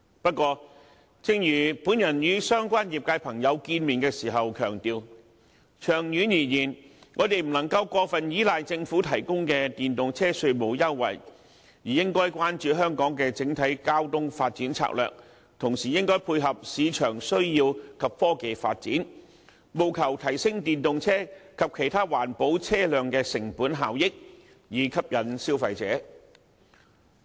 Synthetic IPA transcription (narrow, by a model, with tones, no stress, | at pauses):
pɐ˥t̚kːʷɔː˧ | t͡sɪ˧ŋjyː˨˩puː˨˥njɐ˨˩njyː˨˧sœː˥ŋkʷaː˥nji˨p̚kaː˧jpʰɐ˨˩ŋjɐ˨˧wkiː˧nmiː˨˩nkɛː˧siː˨˩ɦɐ˨wkʰœː˨˩ŋt̪iː˨˧w | t͡ʃʰœː˨˩ŋjyː˨˥njiː˨˩jiː˨˩nŋʔɔː˨˧t̪e˨jm̩˨˩nɐ˨˩ŋkɐ˧wkʷɔː˧fɐ˨njiː˨˥laː˨jt͡sɪ˧ŋfuː˨˥t̪ʰɐ˨˩jkʊ˥ŋkɛ˧t̪iː˨nt̪ʊ˨ŋt͡sʰɛː˥sɵ˧ɥmo˨˧wjɐ˥wwɐ̰˨˩j | jiː˨˩jɪ˥ŋkɔː˥jkʷwaː˥nt͡ʃyː˨ɦœː˥ŋkɔː˨˥ŋkɛː˧t͡sɪ˨˥ŋt̪ʰɐ˨˥jkaː˥wt̪ʊ˥ŋfa̰ː˧t̚t͡siː˨˥nt͡sʰa̰ː˧k̚lœ̰ː˨k̚ | t̪ʰʊ˨˩ŋsiː˨˩jɪ˥ŋkɔː˥jpʰuː˧jɦɐ˨p̚siː˨˧t͡ʃʰœː˨˩ŋsɵ˥ɥjiː˧wkʰɐ˨p̚fɔː˥ke˨˧jfaː˧t̚t͡siː˨˥n | mo˨wkʰɐ˨˩wt̪ʰɐ˨˩jsɪ˥ŋt̪iː˨nt̪ʊ˨ŋt͡sʰɛː˥kʰɐ˨p̚kʰe˨˩jt̪ʰaː˥waː˨˩npo˨˥wt͡sʰɛː˥lœː˨ŋkɛː˧sɪ˨˩ŋpuː˨˥nɦa̰ː˨wjɪ˥k̚ | jiː˨˧kʰɐ˥p̚jɐ˨˧nsiː˥wfɐ˧jt͡sɛ̰ː˨˥